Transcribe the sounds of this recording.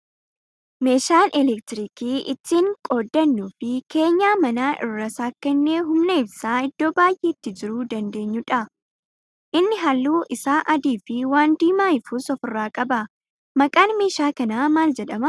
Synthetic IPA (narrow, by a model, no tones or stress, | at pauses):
me̞ːʃaːnɛlɛk̚t̪ɪɾɪkiːʔɪt̪ːiːŋkʼo̞ːd̪ːɐnːuːfɪke̞ːɲːaːmɐnaːʔɪ̰rːɐsaːkːɛnːeːɦʊmnɛɪbsaːɪd̪̥ːo̞ːbaːjʔeːt̪ːɪd͡ʒɪɾuːd̪ɐnd̪e̞ːɲːʊᶑɐ | ʔɪnːɪɦɐlːuːʔɪsaːʔɐd̪iːfɪwaːnd̪iːmaːɪfʊsɔfɪrːaːkʼɐbɐ | mɐkʼaːnme̞ːʃaːkɐnaːmaːld͡ʒɛᶑɐmɐ